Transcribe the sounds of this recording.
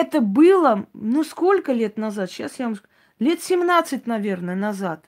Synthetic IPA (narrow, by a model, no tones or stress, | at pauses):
ɛt̪əbɨlˠənusko̞lʲkəlʲe̞t̪nɐzat̪ɕasjamsk | lʲe̞t̪sʲɪmnat̪sɨt̚ʲnɐvʲernəjənɐzat̪̚